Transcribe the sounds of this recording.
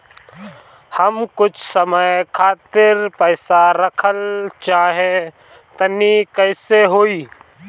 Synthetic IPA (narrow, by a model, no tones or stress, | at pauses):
həmkʊt͡ʃʰsəməjkʰaːt̪ɪɾpəɪsaɾəkʰəlt͡ʃaːɦe | t̪ənikəɪseɦoːiː